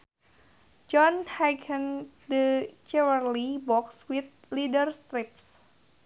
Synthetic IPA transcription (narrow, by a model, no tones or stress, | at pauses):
d͡ʒɔnhɛɡəndət͡ʃɛwərlibɔkswit̪̚lidərst̪ɾip̚s